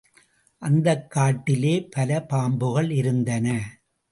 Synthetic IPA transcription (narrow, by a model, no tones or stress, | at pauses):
ʔɐnd̪ɐkːaːʈːɪleːpɐlɐpaːmbɯɣɐɭɪɾɯnd̪ɐnɐ